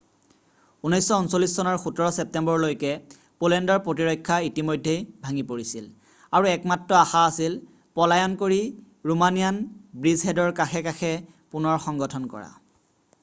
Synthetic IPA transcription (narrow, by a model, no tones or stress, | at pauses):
unɔjsɔunsolːisːɔnɔɹxutɔɹɔsɛp̚tɛmbɔɹlojkɛ | polɛndɔɹpɹotiɹɔjkʰːaitimojdʱːejbʱaŋipoɹisil | aɹuɛkmatɹɔaxaasil | pɔlajɔnkoɹi | ɹumanijanbɹizɦɛdɔɹkaxɛkaxʰɛ | punɔɹxɔŋɡɔtʰɔnkɔ̰ɹa̰